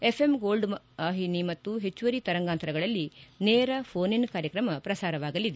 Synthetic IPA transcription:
epʰemɡo̞ːlɖ | aːɦinimɐt̪ːuɦet͡ʃːuʋɐɾit̪ɐɾɐŋɡaːnt̪ɐɾɐɡɐɭɐlːineːɾɐpʰoːninkaːɾjɐkɾɐmɐpɾɐsaːɾɐʋaːɡɐlid̪e

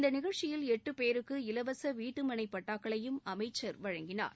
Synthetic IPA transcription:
ɪnd̪ɐnɪɣɐɻt͡ʃɪjɪlɛʈːɯpeːɾɯkːɯɪlɐʋɐsɐʋiːʈːɯmɐɳɐɪpːɐʈːaːkɐɭɐjɯmɐmɐɪt͡ʃːɐɾʋɐɻɐŋɡɪna̰ːɾ

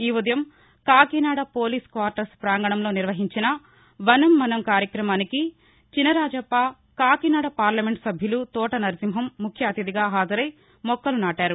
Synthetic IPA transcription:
iːʋɐd̪ɐjɐm | kaːkinaːɽɐpo̞ːliːskʋaːɾʈɐɾspɾaːŋɡɐɳɐmlo̞ːniɾʋɐɦiɲt͡ʃinɐ | ʋɐnɐmːɐnɐmkaːɾjɐkɾɐmaːniki | t͡ʃinɐɾaːd͡ʒɐpːa | kaːkinaːɽɐpaːɾlɐmeɳʈsɐbʱjulut̪ɔːʈɐnɐɾd͡ʒimɦɐmːukʰjɐɐt̪id̪iɡaːɦaːd̪ʱɐɾɐj | mɔkːɐlunaːʈaːɾu

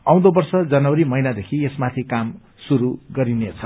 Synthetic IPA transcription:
aw̃d̪obʌrsʌd͡zʌnʌwɾimʌjnad̪ekʰiesmat̪ʰikam | suɾuɡʌɾinet͡sʰʌ

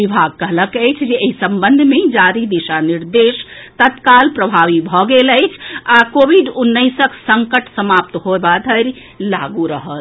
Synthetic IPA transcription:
ʋibʱaɡ̚kəɦləkəjt͡ʃʰd͡ʒeeisəmbənd̪ʱmed͡ʒaɾid̪iʃaniɾd̪eʃt̪ət̪kalpɾəbʱaʋibʱɔɡeləɪt͡ʃʰakobʱiɖunːəɪsəksəŋkəʈsəmap̚t̪ɦoebad̪ʱəɾ | laɡuɾəɦət̪

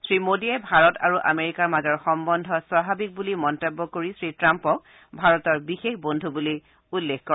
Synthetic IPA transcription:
sɹimodiɛbʱaɹɔtʰaɹuʔa̰meɹikaɹmazɔɹxɔmbɔndʱɔswabʱabik̚bulimɔntebːɔkoɹisɹitɹampɔk̚ | bʱaɹɔtɔɹbixexbondʱubuli | ulːekkɔɹ

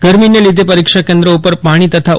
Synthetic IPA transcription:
ɡ̥əɾminelid̪ʱepəɾikʂakẽnd̪ɾəupəɾpaɽ̃iːt̪ət̪ʰa

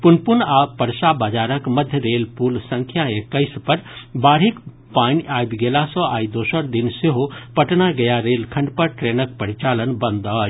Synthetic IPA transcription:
punpunapəɾsabad͡ʒaːɾəkməd̪ʱjəɾelpulsə̃ŋkʰjaekəɪspəɾbaːɾik | paniʔajbɡelasɔ̃aid̪oːsəɾd̪inseɦopəʈnaɡɐjaɾelkʰəɳɖpəɾʈɾeːnək̚pəɾit͡ʃalənbənd̪ə

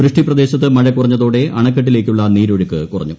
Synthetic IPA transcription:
ɾɨʂʈiprɐd̪e̞ːɕɐt̪̬ːɨmɐɻɐkːurɐɲːɐðo̞ːɽe̞ʔɐɳɐkːɐʈ̬ːile̞ːk̬ʲːuɭːɐniːɾo̞ɻukːɨkurɐ̰ɲːu

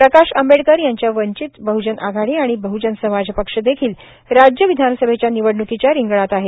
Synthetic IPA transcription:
pɾəkaʂəmbeɽkəɾjaɲt͡ɕjaʋəɲt͡ɕit̪bəɦud͡ʑənʔaɡʱaɽiaɽ̃ibəɦud͡ʑənsəmad͡zʱpəkʂəd̪ekʰiːl | ɾad͡ʑjəʋid̪ʱansəbʱet͡ɕjaniʋəɽɳukit͡ɕjaɾiŋɡɭat̪aɦe

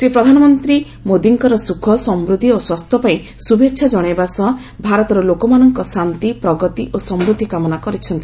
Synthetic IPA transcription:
sepɾɔd̪ʱanɔmɔnt̪ɾi | mod̪iŋkɔɾɔsukʰɔsɔmbɾud̪ʱːioswast̪ʰɔpaĩ | subetːʃʰad͡ʒɔɽ̃ebasɔ | bʱaɾɔt̪ɔɾɔlokɔmanɔŋkɔsant̪ipɾɔɡɔt̪iʔosɔmɾud̪ʱikamɔnakɔɾit͡ʃʰɔnt̪i

